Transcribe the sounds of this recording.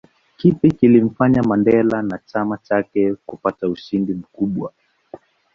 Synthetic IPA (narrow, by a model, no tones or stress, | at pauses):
kipikilim̩faɲamandɛlanat͡ʃamat͡ʃakɛkupatauʃindim̩kuɓwa